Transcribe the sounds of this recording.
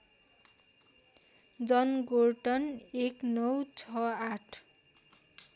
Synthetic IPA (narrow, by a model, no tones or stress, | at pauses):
d͡zʌnɡoʈʌneknʌwt͡sʰʌaʈʰ